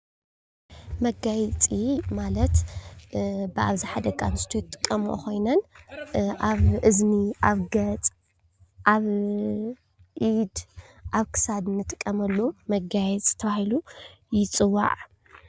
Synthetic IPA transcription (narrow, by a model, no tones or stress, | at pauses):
mɐɡajt͡sʼimalɐt̪ | bɨʔaβziħad̪ɐɡʼanɨst̪ʰojt̪ʼɨ̥kʼːɐmʔo̰kʰo̞jnɐn | ʔaβʔɨzniʔaβɡɐt͡sʼ | ʔaβ | ʔid̪ʔaβkʰɨ̥sad̪ɨnːɨt̪ʼɨkʼːɐmɐlːomɐɡajɛt͡sʼt̪ʰɐβahilujɪt͡sʼɨwːa̰ʕ